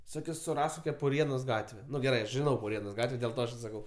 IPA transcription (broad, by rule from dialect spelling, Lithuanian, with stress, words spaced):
ˈsʊ sʊˈrɐsk ˈkoːkʲɛ pʊˈrʲiɛnoːs ˈɡɑːtʲʋʲɛ ˈnʊ ɡʲɛˈrɐɪ ɐʃ ʒʲɪˈnɐʊ pʊˈrʲiɛnoːs ˈɡɑːtʲʋʲɛ dʲeːlˠ ˈtɐ ɐʃ ɪ sɐˈkɐʊ